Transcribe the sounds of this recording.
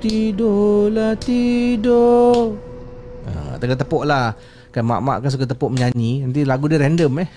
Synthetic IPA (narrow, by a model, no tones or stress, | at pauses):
t̪idolat̪ido | ə̰t̪əkat̪əpɔʔlah | kanma̰ʔma̰ʔkansukat̪əpɔʔməɲaɲinant̪̬ilaɡudiɾɛndəmɛh